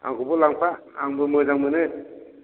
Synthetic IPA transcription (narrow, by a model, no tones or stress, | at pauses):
a̰ŋkʰubɔlaŋpʰaːŋbɯmɯjzaŋmɯnɯ